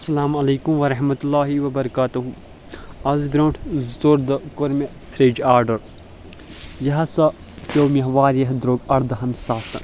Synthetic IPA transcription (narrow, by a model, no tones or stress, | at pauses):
ɐsːɐlaːmɐleːkumʋɐɾɐɦmɐt̪ulːaːɦiʋɐbɐɾɐkaːt̪uɦu | ɐzbɾõːʈʰzt̪oɾd̪ɐkoɾme | fʰɾeːd͡ʒaːɾɖɐɾ | jɐɦɐsɐ | pʲoːmiɦʋaːɾjɐɦd̪ɾoːɡɐɽd̪ɐɦɐnsaːsɐ̰